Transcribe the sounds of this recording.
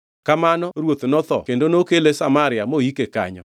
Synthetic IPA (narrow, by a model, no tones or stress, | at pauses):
kamanɔɾwot̪nɔt̪ɔ̰kendonokelesamaɾɪamoikeka̰ɲɔ̰